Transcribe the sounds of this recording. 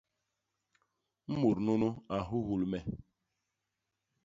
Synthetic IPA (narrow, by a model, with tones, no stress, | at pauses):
m̩˦mu˨ɾno˦no˦a˨ɦu˦ɦu˨lmɛ˨